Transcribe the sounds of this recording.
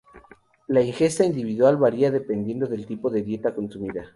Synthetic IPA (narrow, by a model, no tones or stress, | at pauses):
laiŋxe̞st̪aind̪iβiðwalβaɾiaðe̞pe̞nd̪je̞nd̪o̞ðelt̪ipoðe̞ðje̞t̪ako̞nsumiða